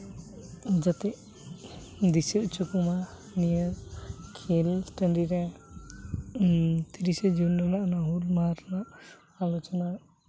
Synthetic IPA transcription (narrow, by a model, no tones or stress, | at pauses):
d͡ʒat̪ɛʔ | d̪iseʔt͡ʃukuma | nijəɾkʰilsʈəɳɖiɾɛ | t̪iɾisɛd͡ʒunɾɔnaʔnaɦulmaɾnaʔ | alɔt͡ʃɔna